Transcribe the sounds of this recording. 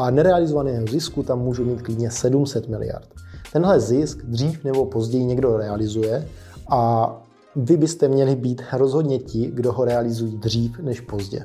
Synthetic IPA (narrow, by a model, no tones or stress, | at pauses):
ʔanɛɾɛalɪzovanɛːɦozɪskut̪amːuːʒumiːt̪̚klɪdɲɛsɛdumsɛt̪mɪlɪ̰ja̰ɾt̪t̪ɛnɦlɛzɪskd̪r̝iːfnɛbo̞po̞zɟɛjiɲɛɡdo̞ɾɛalɪzujɛ | ʔa | vɪbɪst̪ɛmɲɛlɪbiːt̪ɾozɦodɲɛcɪɡdo̞ɦo̞ɾɛalɪzujiːd̪r̝iːfnɛʃpo̞zɟɛ̰